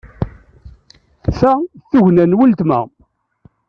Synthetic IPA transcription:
θæθːuʝnænwəlt̪mæ̰

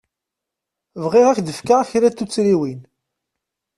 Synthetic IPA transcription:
vʁeʁækd̪əfkaçɾæt̪ːut͡sːɾiwin

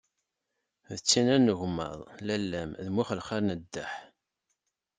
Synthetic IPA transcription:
ðət͡sːinænəʝmə̰ðˤlælːæmðmiχəlχaɾnəd̪ːæħ

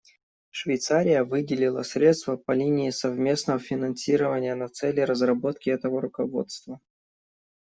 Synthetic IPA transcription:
ʂvʲɪjt̪saɾʲɪjəvɨdʲɪlʲɪlˠə̰sʲɾʲe̞t̪st̪vəpɐlʲinʲɪːsɐvmʲe̞snəvəfʲɪnɐnsʲiɾəvənʲɪjənɐt̪sɛlʲɪɾəzrɐbo̞t̪kʲɪɛt̪əvəɾʊkɐvo̞̰t̪st̪və

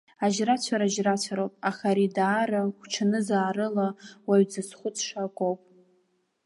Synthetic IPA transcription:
aʒrat͡ɕʷʰaɾaʒrat͡ɕʷʰaɾowpʼaχaɾidaːɾaχʷʈ͡ʂʰanɨzaːɾɨlawaɥd͡zɨsχʷʊt͡sʰʂakʷʼowpʼ

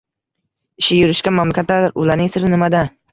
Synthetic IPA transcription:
ɪʃɪjʊɾɪʃkʲanmamlakʲat̪laɾʊ̰laɾnɪŋsɪɾɪnɪmad̪a

